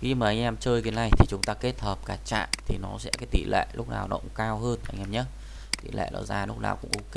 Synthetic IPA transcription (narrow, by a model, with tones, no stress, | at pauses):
xi˧maː˨˩ʔa˧jŋ̟ʔɛ˧mt͡ɕəː˧jki˨˦na˨˩jt̪ʰi˨˩t͡ɕʊ˨˦ŋ͡mt̪aː˧ke˦˥t̚həː˨˩p̚kaː˨˦˩t͡ɕa̰ː˧˨nt̪ʰi˨˩nɔ˨˦sɛ̰˧˥kaː˨˦jt̪ḭ˧˨lḛ˧˨lʊ˦˥k͡p̚na̰ː˨˩wnɔ˨˦kʊ̰˧˥ŋ͡mkaː˧wɦəː˧n˨ʔa˧jŋ̟ʔɛ˧mɲə˦˥t̚ | t̪ḭ˧˨lʔḛ˧˨lɔ̰˨˩zaː˧˩lʊ˦˥k͡p̚na̰ː˨˩wkʊ̰˧˥ŋʔo˧k